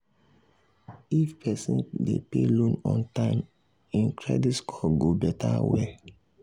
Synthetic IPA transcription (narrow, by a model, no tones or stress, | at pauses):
ifpʰɛsĩndḛpelõnɔ̰̃ntãɪm | ĩnkʰɹɛ̰ditkʰɔɡobɛtʰawɛl